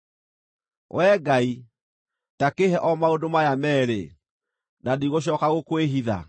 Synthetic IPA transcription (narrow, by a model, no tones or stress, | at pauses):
wʔɛːɡai | takeɦɛʔɔmaodomajamɛɾḛ | nadiɣoɕ̬ɔkaɣokweɦiða̰